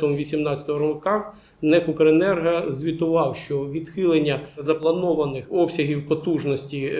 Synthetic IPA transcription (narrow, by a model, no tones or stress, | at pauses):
t̪ɔmʋʲisʲimnɑtt͡sʲɐ̥t̪ɔɦɔɾɔkɑ | nɛkʊkɔɾenɛrɦɐzʲʋʲit̪ʊʋɑwʃt͡ʃɔʋʲid̪xɪlˠenʲːɐzɐplˠɐnɔʋɐnɪxɔpsʲɐɦʲiwpɔt̪uʒnɔsʲtʲi